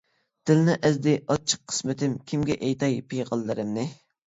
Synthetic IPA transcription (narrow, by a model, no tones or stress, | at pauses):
d̪̥ɪlnɪʔɛzd̪ɪʔɑt͡ʃʰːə̥qʰːə̥smɪt̪ɪmkʲʰimɡʲɛʔejt̪ʰɑjpʰejʁɑlˠːɨɾɨmnɪ